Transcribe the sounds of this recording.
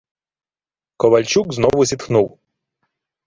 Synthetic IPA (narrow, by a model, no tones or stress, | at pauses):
kɔʋɐlʲt͡ʃukznɔʋʊzʲit̪xnuw